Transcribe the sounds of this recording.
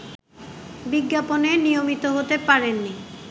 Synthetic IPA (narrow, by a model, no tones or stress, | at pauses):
biɡːaponenijomit̪oɦot̪epaɾenːi